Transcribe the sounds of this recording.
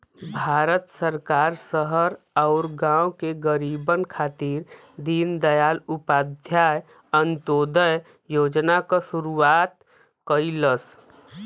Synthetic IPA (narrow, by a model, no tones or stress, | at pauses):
bʱaːɾət̪səɾkaːɾsəɦəɾ | ɔʊɾɡãːokeɡəɾiːbənkʰaːt̪iːɾ | d̪iːnd̪əjaːlʊpaːd̪ʱjaːj | ənt̪oːd̪əj | joːd͡ʒnakasʊɾuaːt̪ | kəiləs